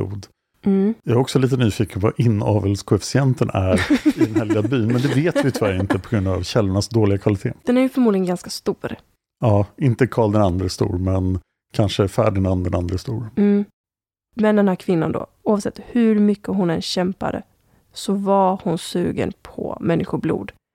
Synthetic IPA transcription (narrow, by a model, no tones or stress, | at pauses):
ṵːd̪̩ | jaɾɔksɔliːt̪̬ənyːfiːkənvaʔɪnːɑːvəlskʰɔɛfɪ̥sɪɛnt̪ʰənʔæɾɪd̪ɛnhɛlɪabyːnmɛnd̪ɛveːt̪vɪt̪ʰvæɾɪnt̪əpʰɔɡɾɵnd̪a̰vɕɛlːʊɳasd̪oːlɪɡakʰvalɪt̪ʰḛːd̪̥ɛnæɾjɵfœɾmuːd̪lɪɡənɡanskast̪uːɾ | ɑːɪnt̪əkʰɑːld̪ɛnand̪ɾəst̪ṵːɾmɛn | kʰanʂəæfæ̰ːɖɛnand̪ɛnand̪ɾəst̪uːɾm̩ː | mɛnd̪ɛnhæːɾkʰvɪnːa̰nd̪o̰ | uːavsɛt̪ːhɵɾmʏkːəɦʊnɛnɕɛmpa̰d̪ə̰ | sɔvaɾhʊnsʉ̟̰ːɡə̰npʰɔ̰mɛnːɪɧʊblṵːd̪